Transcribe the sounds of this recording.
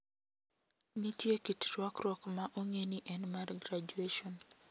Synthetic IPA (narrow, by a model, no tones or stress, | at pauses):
nitjekitɾwɔkɾɔkmaʔoŋeniʔɛnmarɡɾad͡ʒueʃɔn